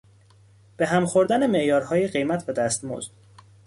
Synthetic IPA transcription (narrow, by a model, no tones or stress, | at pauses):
b̥e̞ɦæmxoɾd̪ænemeʔjɒːɾhɒːjeɢe̞jmæt̪ʰvæd̪æst̪mo̰zd̪̥